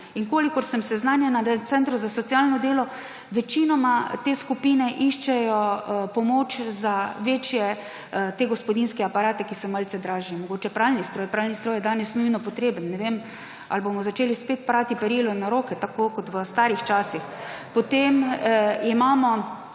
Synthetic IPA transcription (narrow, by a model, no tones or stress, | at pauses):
iŋkoːlikɔɾsɛmsɛznaːnjanat̪sɛnt̪ɾuzasɔt̪sijalnɔd̪eːlɔ | ʋɛt͡ʃinɔmat̪eːskupiːnɛʔiʃt͡ʃɛjɔpɔmot͡ʃzaʋeːt͡ʃjɛ | t̪eːɡɔspɔd̪inskɛapaɾaːt̪ɛkisɔməlsɛd̪ɾaːʒnimɔɡoːt͡ʃɛpɾaːlnist̪ɾɔːjpɾalnist̪ɾɔːjɛd̪aːnɛsnujnɔpɔt̪ɾeːbənːɛʋem | a̰lbomɔzat͡ʃeːlispet̪̚pɾaːt̪ipɛɾiːlɔnaɾoːkɛt̪akokɔt̪ʋəst̪aːɾixt͡ʃaːsix | pɔt̪emimaːmɔ